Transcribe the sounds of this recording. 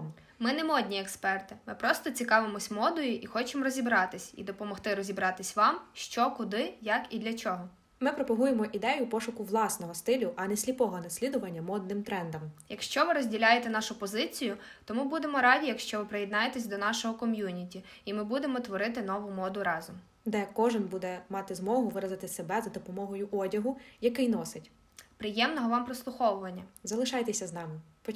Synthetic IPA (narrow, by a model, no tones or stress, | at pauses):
mɪnɛmɔd̪ʲnʲiekspɛrt̪ɪmɪpɾɔst̪ɔt͡sʲikɑʋɪmɔsʲmɔd̪ɔjʊʔixɔt͡ʃemrɔzʲibɾɑt̪ɪsʲḭd̪ɔpɔmɔht̪ɪɾɔzʲibɾɑt̪ɪsʲʋɑmʃt͡ʃɔkʊd̪ɪjɐkid̪lʲɐt͡ʃɔɦɔ | mɪpɾɔpɔɦujemɔʔid̪ɛjʊpɔʃʊkʊʋlˠɑsnɔɦɔst̪ɪlʲʊʔɐnɛsʲlʲipɔɦɔnɐsʲlʲid̪ʊʋɐnʲːɐmɔd̪̚nɪmt̪ɾɛnd̪ɐmjɐkʃt͡ʃɔʋɪɾɔzʲdʲilʲajet̪ɛnɑʃʊpɔzɪt͡sʲijʊ | t̪ɔmubud̪emɔɾɑdʲijɐkʃt͡ʃɔʋɪpɾɪjɛd̪nɑjet̪ɛsʲd̪ɔnɑʃɔɦɔkɔmʲjunʲitʲi | imɪbud̪emɔt̪ʋɔɾɪt̪ɪnɔʋʊmɔd̪ʊɾɑzɔm | d̪ɛkɔʒɪnbud̪ɛmɑt̪ɪzmɔɦʊʋɪɾɐzɐt̪ɪsebɛzɐd̪ɔpɔmɔɦɔjʊʔɔdʲɐɦʊjɐkɪjnɔsɪtʲ | pɾɪjɛmnɔɦɔʋɑmpɾɔslˠʊxɔʋʊʋɐnʲːɐzɐlˠɪʃɑjt̪ɛsʲɐznɑmɪ | pɔ